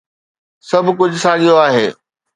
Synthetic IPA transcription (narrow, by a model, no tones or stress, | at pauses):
sɐbʱk̬ʊd͡ʑʱsaːʄijoaːɦeː